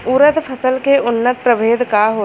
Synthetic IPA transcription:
uːɾəd̪pʰəsəlkeʊnːət̪̚pɾəʋeːd̪kaɦoː

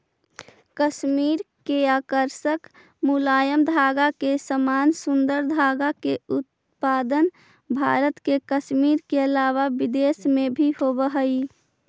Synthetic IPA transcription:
kəʃmiːɾkeakəɾsək | mulajəmd̪ʱaɡakesəmansund̪əɾd̪ʱaɡakeut̪̚ | pad̪ən | bʱa̰ɾət̪kekəsmiɾkeəlaʋabid̪esmebʱihobəɦəi

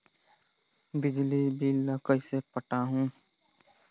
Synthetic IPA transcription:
bɪd͡ʒlibʱiləkəisepəʈaɦũː

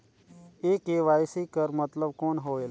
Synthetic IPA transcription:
eːkeːʋaːjsiːkəɾmət̪ləbkoːnɦoːel

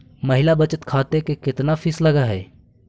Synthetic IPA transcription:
məɦɪlabɐt͡ʃət̪kʰaːt̪ekekɪt̪nafʰɪslɐɡaɦɛ̰ː

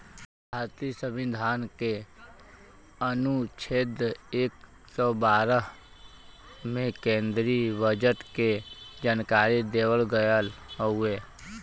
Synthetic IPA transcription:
bʱaːɾt̪isəmɪd̪ʱaːnke | ənut͡ʃʰeːd̪eːk | sɔbaːɾə | mẽkẽːnd̪ɾibəd͡ʒəʈked͡ʒaːnkaːɾid̪eːwəlɡəjəlɦueː

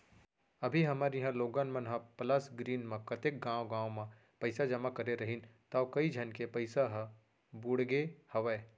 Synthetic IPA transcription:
ɐbʱiɦɐmaɾjɪɦãloːɡãnmɐ̃nɦãpɐlasɡɾiːnmãkɐt̪ek̚ɡãːwoɡãːwmã | pɐɪsad͡ʒɐmakɐɾeɾɐɦint̪akɐid͡ʒʱɐnkepɐɪsaɦ | bʊɽɡehɐʋəː

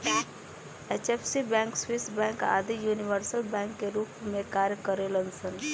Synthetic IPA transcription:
et͡ʃepʰsibɛ̃ŋkswisbɛ̃ŋka̰ːd̪ijuniʋəɾsəlbɛ̃ŋkːeɾuːpmẽkaːɾjəkəɾelənsən

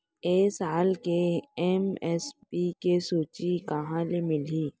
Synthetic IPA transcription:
eːsaːlkeɛmɛspiːkesuːt͡ʃikɐɦãlemɪliː

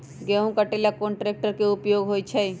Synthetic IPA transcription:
ɡeũkəʈelakoːnʈɾeːk̚ʈəɾkeʊpjoːɡɦoːjt͡ʃʰəj

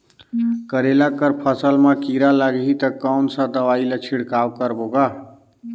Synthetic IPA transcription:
kəɾelakəɾpʰəsəlmakiɾalaɡɦit̪əkɔʊnsãd̪əʋailet͡ʃʰiɽkawkəɾboɡa

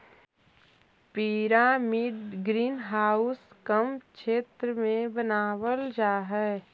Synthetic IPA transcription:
piɾaːmiɖɡɾiːnɦaːʊskəmkʃʰeːt̪ɾəmẽbənaːwəld͡ʒaːɦɛː

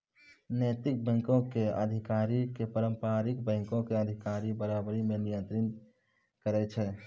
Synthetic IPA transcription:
nəjt̪ɪk̚bɛ̃ŋkõkeə̰d̪ʱikaːɾikepəɾəmpaɾikbɛ̃ŋkõkeəd̪ʱikaɾibəɾabɾimenijə̃nt̪ɾən | kəɾɛt͡ʃʰɛ

